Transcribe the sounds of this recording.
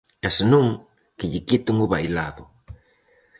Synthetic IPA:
ɛsenũŋ | kɪʎɪkit̪ʊŋʊβajlaðʊ

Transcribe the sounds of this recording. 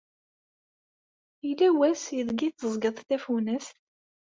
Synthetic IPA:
ilːæwæsjəðɡit͡sːəzˤɡəðˤt̪æfunəst̪

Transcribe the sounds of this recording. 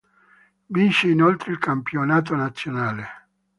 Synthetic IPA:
binʃeinolt̪ɾeilkampjonaːt̪̬onat̪sːjonaːle

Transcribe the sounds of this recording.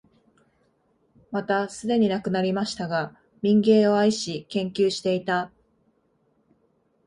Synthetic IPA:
mat̪asɨd̪e̞ɲ̟inakɯ̟naɾʲimaɕi̥t̪aɡa | mʲĩŋɡẽ̞ːo̞aiɕikẽ̞ŋkʲɨːɕi̥t̪e̞it̪a

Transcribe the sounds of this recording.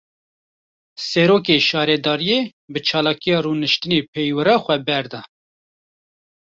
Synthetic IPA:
sɛɾoːk̬eːʃɑːɾɛd̪ɑːɾijeːbɨt͡ʃʰɑːlɑːkijɑːruːnɨʃt̪ɨneːpʰɛjwɨɾɑːxʷɛbɛɾd̪ɑː

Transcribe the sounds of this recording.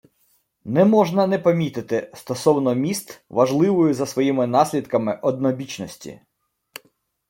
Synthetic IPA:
nɛmɔʒnɐnɛpɐmʲit̪ɪt̪ɪst̪ɔsɔwnɔmʲist̪ʋɐʒlˠɪʋɔjʊzɐsʋɔjimɪnɑsʲlʲid̪kɐmɪʔɔd̪nɔbʲit͡ʃnɔsʲtʲḭ

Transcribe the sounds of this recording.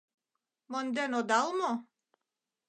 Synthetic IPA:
mond̪enod̪ɑlmo

